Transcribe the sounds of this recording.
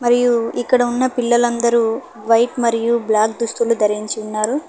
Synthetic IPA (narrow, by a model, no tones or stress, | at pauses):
mɐɾijuikːɐɽɐunːɐpilːɐlɐnd̪ɐɾu | ʋɐjʈmɐɾijublaːkd̪ust̪ulud̪ɐɾiɲt͡ʃiunːaːɾu